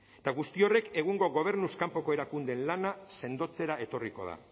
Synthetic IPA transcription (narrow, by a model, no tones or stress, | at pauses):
t̪aɣust̪io̞re̞ke̞ɣuŋɡo̞ɣo̞β̞e̞ɾnuskampo̞ko̞e̞ɾakund̪e̞nlanase̞nd̪o̞t͡se̞ɾae̞t̪o̞riko̞̰ð̞a̰